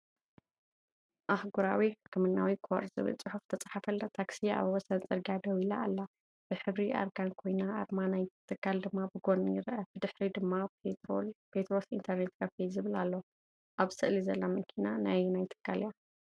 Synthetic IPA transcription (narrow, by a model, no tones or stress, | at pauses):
ʔahɡuɾawiħɨkʰːɨmɨnːawikʰo̰ɾzɨ̰βɨ̰lt͡sʼɨħuft̪ʰɐt͡sʼaħafɐlːat̪ʰaksia̰βwɔsɐnt͡sʼɨɾɡad̪ɐwilaːlːa | b̥ɨħɨβɾiʔa̰ɾɡankʰo̞jna̰ːɾmanajt̪ʰɨkʰːald̪ɨmːabɨɡo̞njɪɾʔɐb̥ɨd̪ɨħɾid̪ɨmːaeopʰet̪ɾosḭnt̪ʰɐɾnet̪ɡɐfezɨβɨla̰lːo | ʔaβsɨʔlizɐlːamɨkʰinanajnajt̪ʰɨ̥kʰːalja